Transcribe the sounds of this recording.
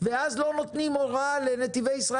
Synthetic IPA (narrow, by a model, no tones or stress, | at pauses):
veazlo̞no̞t̪nimoʁalenet̪ivejisʁa